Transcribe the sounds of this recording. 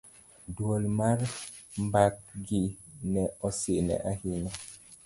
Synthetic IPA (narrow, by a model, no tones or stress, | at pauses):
dwolmarmbak̚ɡɪnɛɔsɪnɛ̰ʔahɪɲɔ